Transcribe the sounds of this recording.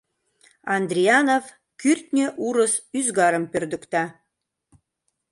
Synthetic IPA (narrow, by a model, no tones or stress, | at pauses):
ɑnd̪rʲiɑnov | kyrt̪nʲeʔuɾə̆syzɡɑɾə̆mpørd̪ɘ̆kt̪ɑ